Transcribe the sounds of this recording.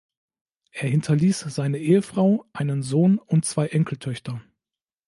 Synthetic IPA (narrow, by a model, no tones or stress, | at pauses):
ʔeːɐɦɪntʰɐliːsz̥aɪnəʔeːəfʁ̥aʊʔaɪnənzoːnʊntt͡sv̥aɪʔɛŋkl̩tʰœçtɐ